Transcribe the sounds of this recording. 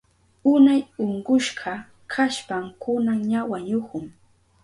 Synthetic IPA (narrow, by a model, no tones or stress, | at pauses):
ʊnajoɴɢʊʃɢɑ | kʰaʃpamkʊnaŋɲawaɲʊkʊŋ